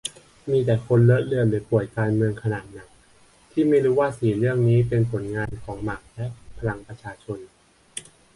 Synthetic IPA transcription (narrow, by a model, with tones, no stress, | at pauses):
miː˧t̪ɛː˨˩kʰo˧nlɤ˦˥t̪̚lɯ˧ənlɯː˩˦pu˨˩əjkaː˧nmɯ˧əŋkʰa˧naː˨˩t̪̚na˨˩˦ŋ̚ | t̪ʰiː˥˩ma˥˩jɾuː˦˥waː˥˩siː˩˦nɾɯ˥˩əŋniː˦˥pe˧npʰo˩˦nŋaː˧nkʰɔː˩˦ŋma˨˩k̚lɛ˦˥ʔpʰa˧ɾa˧ŋpɾa˧t͡ɕʰaː˧t͡ɕʰo˧n